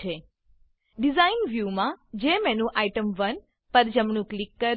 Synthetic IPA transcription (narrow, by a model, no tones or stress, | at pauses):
e | ɖizainʋjumãd͡ʒemɛnũʔaiʈəmʋən | pəɾd͡ʒəmɳũklikːəɾ